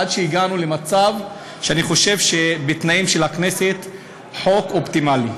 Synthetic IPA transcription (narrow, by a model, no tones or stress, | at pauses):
adʃeiɡanule̞mat͡sav | ʃeaniχo̞ʃe̞vʃebet̪naimʃe̞lakne̞se̞t̪ | ħo̞ko̞pt̪imali